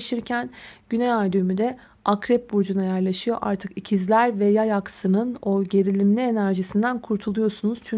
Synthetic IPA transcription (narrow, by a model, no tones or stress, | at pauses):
ʃɯɾcʰænɟynejaɾd̪ymyd̪ɛ | ʔakɾɛp̚buɾd͡ʒunajæɾlˠaʃɯjo̞ʔaɾt̪ʰɯkicʰizlʲæɾvɛjajaksɯnɯno̞ɟe̞ɾilʲimlʲienæɾʒisind̪ænkʰuɾt̪ʰulˠujo̞sunuz̥t͡ʃʰy